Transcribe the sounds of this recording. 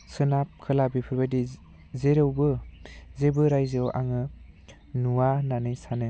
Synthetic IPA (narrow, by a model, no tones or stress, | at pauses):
sɯnap̚kʰɯlabipʰɯɾbajdi | zeɾɯwbɯzebɯɾajzewʔa̰ŋɯ | nuwananɯjsanɯ